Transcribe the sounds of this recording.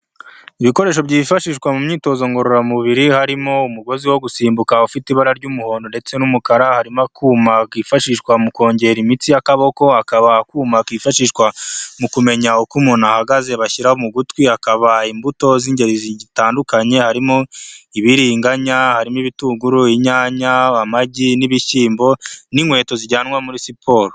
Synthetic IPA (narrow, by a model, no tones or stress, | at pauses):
iβiko̞ɾeːʃ̬o̞bɟiːfaʃiːʃkwamumɲiːto̞ːzoŋɡo̞ɾoɾamuβiɾihaɾimo̞umuɡo̞ziwo̞ɡusiːmbukaufitiβaɾaɾɟumuho̞ːndonde̞t͡se̞numukaɾahaɾimakʰuːmakiːfaʃiʃkwamuko̞ːɲɟe̞ɾimit͡sijakaβo̞ko̞hakaβakuːmakiːfaʃiʃkwamukume̞ɲaukumunahaɡaze̞βaçiɾahomuɡutwihakaβaimbuto̞ziːɲɟe̞ɾizizitaːndukaɲe̞haɾimoiβiɾiːŋɡaɲahaɾimiβituɡuɾuiɲaːɲaamaɟiniβiʃiːmbo̞niŋwe̞ːto̞ziɟaːnŋwamuɾisipʰo̞ɾo